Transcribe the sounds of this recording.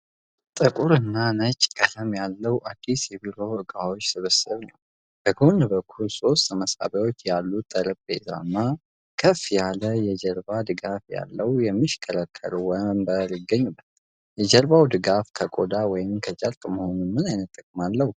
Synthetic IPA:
t̪ʼɨkʼuɾɨnːanət͡ʃʼkʼələmjalːəwʔad̪ːisjɛbiɾo̞ʔɨkʼawo̞t͡ʃːsɨβəsɨβnəw | bəɡonbəkʰːulso̞st̪ʰəməsa̰bawo̞t͡ʃːjalːut̪ʼəɾɨkʼbḛza̰nːa | kʰəfjaləjɛd͡ʒɛɾbad̪ɨɡafja̰lːəwjɛmːiʃkʰəɾəkʰːə̰ɾuwɔmbəlɪɡəɲːubːət̪ | jɛd͡ʒəɾbawd̪ɨɡafkʰəkʼod̪awɔjɪmkʰət͡ʃʼəlk̪ʼməho̞nunmɨnajnət̪ʰʼːəkʼmalːəhu

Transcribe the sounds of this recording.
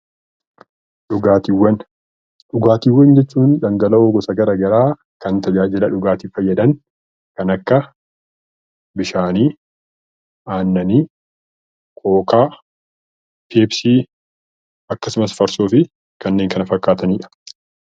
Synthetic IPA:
ᶑʊɡaːt̪ɪwːɐn | ᶑʊɡaːt̪ɪwːɐnd͡ʒɛt͡ʃːuːnᶑ̪ɐŋɡɐlɐoːɡɔsɐɡɐɾɐɡɐɾaː | kɐnt̪ɐd͡ʒaːd͡ʒɪlɐᶑʊɡaːt̪ɪfɐjːɐd̪ɐn | kɐnɐkːɐ | bɪʃaːniː | aːnːɐniː | kʰo̞ːkaː | heːbsiː | ɐkːɐsʊmɐsfɐɾsoːfɪ | kɐnːe̞ːŋkɐnɐfɐkːaːt̪ɐniːᶑɐ̥

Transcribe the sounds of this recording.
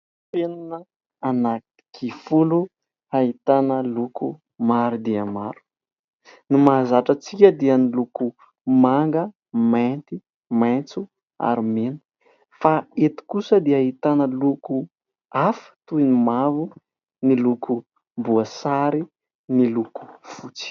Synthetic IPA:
penanə | anaki̥kʰifulu | ait̪anəluku | maɾud̪iəmaɾu̥ | nimazaʈ͡ʂət͡sikʲəd̪iəniluku | maŋɡə | mant̪i | mant͡su | a̰ɾimenu̥ | faet̪i̥kusəd̪eaɦit̪anəluku | afə̥t̪uinimavu | nilukʰu | mbuasaɾi | niluku̥fut͡si̥

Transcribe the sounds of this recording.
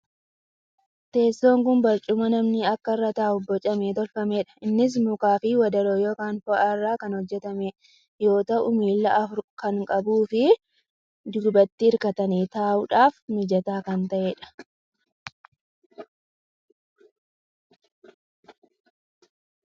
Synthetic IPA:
t̪e̞ːsːo̞ːŋkʊnbɐɾt͡ʃʼʊmɐnɐmnɪɐkːɐrːɐt̪aːʊbːɔt͡ʃʼɐmeːt̪ɔlfɐmeːᶑɐ̥ɪnːɪs̬mʊkaːfɪwɐd̪ɐɾoːjo̞ːkaːnfɔʔɐrːaːkɐnhɔd͡ʒːɛt̪ɐme | jo̞ːt̪ɐʔʊmiːlːɐʔɐfʊɾkɐŋkʼɐbuːfɪ | d̪ʊɡbɐt̪ːɪɪɾkɐt̪ɐniːt̪aːʔʊᶑaːfmɪd͡ʒɐt̪aːkɐnt̪ɐʔeːᶑɐ̥

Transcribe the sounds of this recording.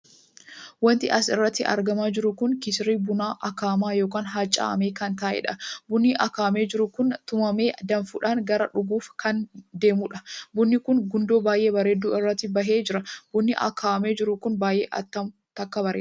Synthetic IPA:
wɐnt̪ɪ̰ʔɐsɪrːɐt̪ːɪʔɐ̰ɾɡɐmaːd͡ʒɪɾʊkʊŋkɪsɪɾiːbʊnaːʔɐkaːmaːjo̞ːkaːnɦaːt͡ʃʼːa̰ːʔɐ̰meːkɐnt̪aːʔɛ̰ᶑɐbʊnːiʔɐkaːme̞ːd͡ʒɪɾʊkʊnt̪ʊmɐme̞ːd̪ɐnfʊᶑaːŋɡɐɾɐᶑʊɡuːfkɐnd̪e̞ːmʊᶑɐbʊnːɪkʊŋɡʊnd̪o̞ːbaːjʔe̞ːbɐɾeːd̪ːuːɪrːɐt̪ːɪbɐɦe̞ːd͡ʒɪɾɐb̥ʊnːɪʔɐ̰kʰaːɐme̞ːd͡ʒɪɾʊkʊnbaːjʔḛːʔɐ̰t̪ːɐmʊ | t̪ɐkːɐbɐɾḛː

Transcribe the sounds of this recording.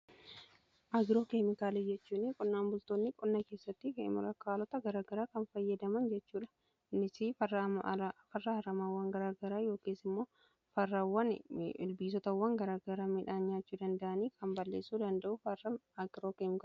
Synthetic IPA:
ʔɐɡɪɾo̞ːkemɪkaːled͡ʒɛt͡ʃːuːnɪkʼʊnːaːnbʊlt̪oːnːɪkʼʊnːɐke̞ːsːɐt̪ːɪkḛmɪ̰ɾɐkaːlɔt̪ɐɡɐɾaːɡɐɾaːkɐnfɐjːɐd̪ɐmɐnd͡ʒɛt͡ʃːuːᶑɐ̥ | mɪsifɐːfɐrːɐhɐɾɐmaːwːaːŋɡɐɾaːɡɐɾaːjo̞ːkiːsɪmːo̞ː | fɐrːawːɐnɪlbiːs̬ɔt̪ɐwːɐŋɡɐɾaːɡɐɾaːmɪᶑaːɲːaːt͡ʃːuːd̪ɐnd̪ɐʔɐniːkɐmbɐlːḛːsːuːd̪ɐnd̪ɐʔʊfɐrɐɐɡɪɾoːkeːmɪka

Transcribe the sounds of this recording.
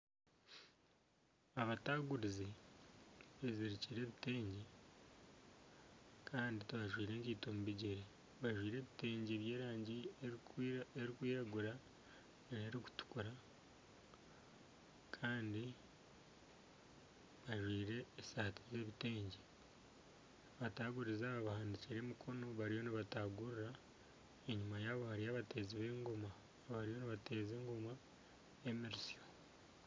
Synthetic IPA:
aβataːɡuɾize | eziɾiciɾe̞ːβite̞ːɲɟe | kʰaːndituβaʒwiːɾe̞ːɲciːtomuβiɟeɾe | βaʒwiːɾe̞ːβite̞ːɲɟeβje̞ːɾaːɲɟieeɾikwiːɾaɡuɾa | nineɾiku̥tu̥kuɾa | kʰaːndi | βaʒwiːɾe̞ːsaːtize̞ːβite̞ːɲɟe | βataːɡuɾizaːβaβahaːndiciɾe̞mukʰo̞no̞βaɾijo̞niβataɡuɾura | e̞ɲumajaːβo̞haɾijaβate̞ːziβe̞ːŋɡoma | βaɾijo̞niβate̞ːze̞ːŋɡoma | emiɾisio

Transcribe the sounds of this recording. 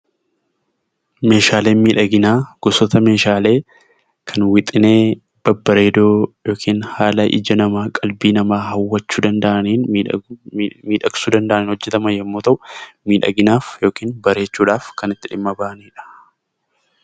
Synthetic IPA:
me̞ːʃaːle̞ːnmiːᶑɐɡɪnaːɡ̥ʊsɔt̪ɐme̞ːʃaːle̞ː | kʰɐnwɪt̪ʼɪne̞ː | b̥ɐbːɐɾe̞ːd̪oːjo̞ːkʰiːnhaːlɐʔɪ̰d͡ʒɐnɐmaːkʼɐlbiːnɐmaːɦɐwːɐt͡ʃːuːd̪ɐnd̪ɐʔɐniːn | miːᶑɐksuːd̪ɐnd̪ɐʔɐniːnhɔd͡ʒːɛt̪ɐmɐjɛmːo̞ːt̪ɐʔʊmiːᶑɐ̰ɡɪnaːfjo̞ːkiːnbɐɾe̞ːt͡ʃːuːᶑaːfkɐnɪt̪ːɪᶑɪmːɐbaːʔɐniːᶑɐ̥

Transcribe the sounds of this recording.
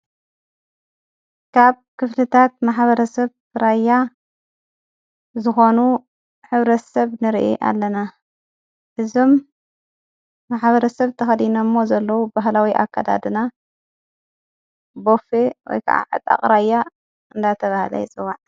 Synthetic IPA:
kʰaβ | kʰɨflɨt̪ʰat̪maħβɐɾɐsɐβ | ɾajːa | zɨxo̞nu | ħɨβɾɐt̪sɐβnɨɾʔḭʔa̰lːɐna | ʔɨzo̞m | aħβɐɾɐsɐβt̪ʰɐxɐd̪inɐmːo̞zɐlːɐwubaɦlawiʔa̰kʰːad̪a̰d̪ɨna | bo̞fewɔ̰jkʰa̰ʔa̰ʕɨ̰t̪ʼa̰qʼɾajːa | ɨnd̪at̪ʰɐβahlɐ̰jt͡sʼɨwaʕ

